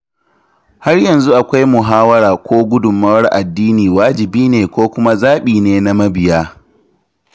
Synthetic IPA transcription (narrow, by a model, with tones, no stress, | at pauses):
ha˦rjɐ˨nzu˦ʔa˨kʷa˦jmʊ˨ɦaː˦wɐ˦ɾaː˨kʷoː˦ɡʷʊ˦dʊ˨mːɐ˦rʔa˨dːiː˦niː˨waː˦d͡ʒɪ˨biː˦neː˨kʷoː˦kʷʊ˦ma˦zaː˦ɓiː˨neː˨na˦mɐ˦bɪ˨jaː˦